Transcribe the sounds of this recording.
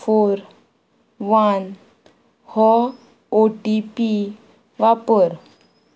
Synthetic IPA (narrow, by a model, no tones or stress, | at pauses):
foɾ | ʋan | hɔ | oʈipi | ʋapəɾ